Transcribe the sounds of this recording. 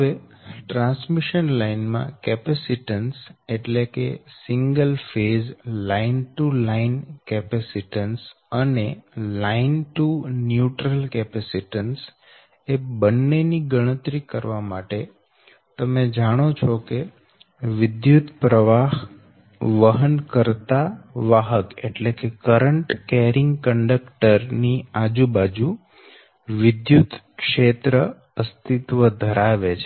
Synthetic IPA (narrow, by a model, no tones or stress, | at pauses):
əʋe | ʈɾãnsmiʃənlainmã̰kɛpɛsiʈənseʈlekesɪŋɡəlfezlainʈulainkɛpɛsiʈəns | ənelainʈunjuʈɾəlkɛpɛsiʈəns | ebənːeniɡəɽ̃ət̪ɾikəɾʋamaʈe | t̪əmed͡ʒaɽ̃ot͡ʃʰɔke | ʋɪd̪jut̪pɾəʋaɦ | ʋəɦənkəɾt̪aʋaɦəkḛʈlekekəɾəɳʈkeɾɪŋɡkəɳɖəkʈəɾniad͡ʒubad͡ʒu | ʋɪd̪jut̪ | kʃet̪ɾə | əst̪it̪ʋəd̪ʱəɾaʋet͡ʃʰe